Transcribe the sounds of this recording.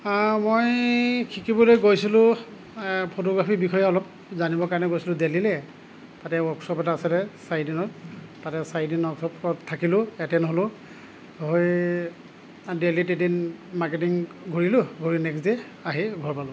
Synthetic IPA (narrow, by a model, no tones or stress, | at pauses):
mojkʰikibɔlojɡojsilʊ̃ | pʰotoɡɹapʰibikʰɔjɛɔlɔp | zanibɔkaɹnɛɡojsilʊ̃delilɛ | tatɛɔksɔpɛtaːsɛlɛsajdinɔttatɛsajdinɔksɔpɔtʰːakilʊɛtɛnɔɦɔlʊ̃ | ɦoj | delitedinmaɹketiŋ | ɡʱoɹilʊɡʱoɹinɛksdɛ | aɦiɡʱɔɹpalʊ